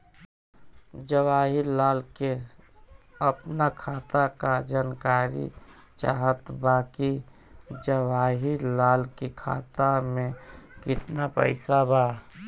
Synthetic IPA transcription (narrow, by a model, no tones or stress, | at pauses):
d͡ʒəwaːɦiɾlaːlke | əpnakʰaːt̪akad͡ʒaːnkaːɾḭt͡ʃa̰ɦət̪baːki | d͡ʒəwaːɦiɾlaːlkikʰa̰ːt̪amẽkɪt̪napə̰ɪsabaː